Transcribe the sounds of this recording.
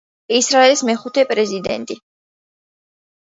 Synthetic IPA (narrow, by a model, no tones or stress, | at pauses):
isɾaɛlismɛχut̪ʰɛpʼɾɛzid̪ɛ̰nt̪ʼi